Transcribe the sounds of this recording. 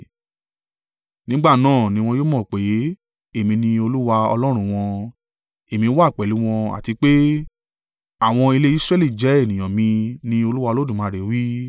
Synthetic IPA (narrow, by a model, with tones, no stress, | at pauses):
nĩ˦ɡ͡ba˦˨nãː˦˨nĩ˧w̃ɔ̃˧jo˦mɔ̃˦˨k͡pe˨˦ | e˦˨mĩ˧nĩ˧o˧lu˦wa˧ɔ̰˧lɔ˦ɾ̃ũ˧w̃ɔ̃˧ | e˨mĩ˧˦wa˦˨k͡pɛ˨lu˨˦w̃ɔ̃˧a̰˨ti˧k͡pe˦ | a˦˨w̃ɔ̃˧i˧le˦i˦sɾɛ˦˨li˦˨d͡ʒɛ˨˦e˦˨nĩ˨j̃ã˨mĩ˧nĩ˧o˧lu˦wa˧o˧lo˦dũ˨mãː˨˧˨ɾe˨˦wi˦